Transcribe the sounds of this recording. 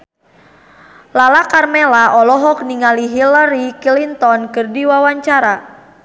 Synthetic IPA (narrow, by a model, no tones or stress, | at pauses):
lalakarmelaʔɔlɔɦɔk̚niŋaliɦilaɾikilint̪ɔnkɨrdiwawaɲt͡ʃaɾa